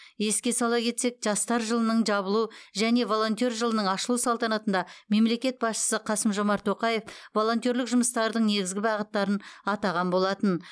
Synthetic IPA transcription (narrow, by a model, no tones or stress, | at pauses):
je̞skʲe̞sɑlˠɑkʲʰe̞t̪se̞k̚ʒɑst̪ɑɾʒəlˠənəɴʒɑβəlˠuʒæne̞vo̞lˠo̞nt̪io̞rʒəlˠənəɴɑʃəlˠusɑlˠt̪ɑnɑt̪ənd̪ɑme̞mle̞kʲe̞t̪̚bɑsʃə̥səqʰɑsəmʒo̞mɑɾt̪ʰːo̞qɑje̞fvo̞lˠo̞nt̪jo̞ɾlɪkʒʊməst̪ɑɾd̪əɴne̞ɡʲɪzɡʲɪbɑʁət̪ːɑɾənɑt̪ɑʁɑnbo̞lˠɑt̪ən